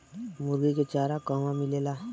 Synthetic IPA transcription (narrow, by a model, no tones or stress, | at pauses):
mʊɾɡiket͡ʃaːɾakaːmãmɪlelaː